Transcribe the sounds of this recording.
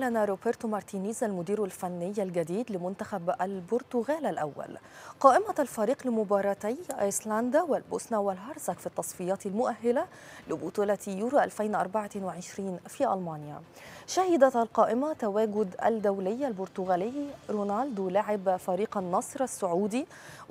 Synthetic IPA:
lænæɾobeɾt̪omɑɾˤt̪iːniːzælmʊd̪iːɾulfænːɪjːælɡæd̪iːd̪lɪmʊnt̪æxæbʔælboɾt̪ʊɣæːlælʔæ̰wːæ̰lqɑːʔɪmælfæɾiːqlɪmʊbɑːɾˤɑt̪æjʔɑ̰jslænd̪æwɪlbosnæwælɦɑɾˤzækfit̪ːɑsˤfejɑːt̪ɪlmʊʔæhːɪlæ | lɪbot̪ˤuːlɑt̪juːɾuʔælfæjnʔɑ̰ɾˤbaʕɑt̪nweʕeʃɾiːnfiːʔɑ̰lmɑːnja̰ | ʃæhɪd̪æælqɑːʔɪmæt̪æwæːɡʊd̪æ̰ld̪æwlɪjːalboɾt̪ʊɣæːlɪjːiɾonald̪laʕɪbfæɾiːqɑnːɑːsˤɨɾˤæsːʊʕuːd̪i

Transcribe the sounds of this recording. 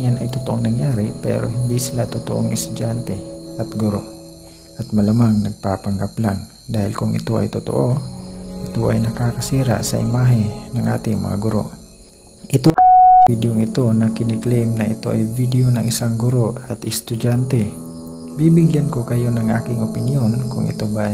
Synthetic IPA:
janɐjt̪ʊt̪oʔoŋnɐŋjaːɾɪpɛ̰ɾo̞̰ɦɪnd̪isɪlat̪ʊt̪oʔoŋʔɪst̪ʊd͡ʒant̪ɛʔɐt̪ɡʊɾo̞̰ʔ | ʔɐt̪mɐlamaŋnɐɡ̚papɐŋɡaplaŋ | d̪aːhɪlkʊŋʔɪ̰t̪o̞ʔɐ̰jt̪ʊt̪o̰ʔoʔɪt̪oʔɐjnɐkaːkɐsiːɾa̰ʔsɐ̰ʔɪmaːɦɪnɐŋʔa̰ːt̪ɪŋmɐ̰ŋa̰ɡʊɾo̞̰ʔ | ʔɪt̪oʔid̪joŋɪt̪o̞nɐkɪnɪklejmnɐʔɪt̪o̞ʔajvid̪ejonɐŋɪsaŋɡʊɾo̞ʔɐt̪ʔɛst̪ʊd͡ʒant̪ɛ | bibɪɡjankokɐjo̞nɐŋʔaːkɪŋopɪnjonkʊŋʔɪ̰t̪o̞ba

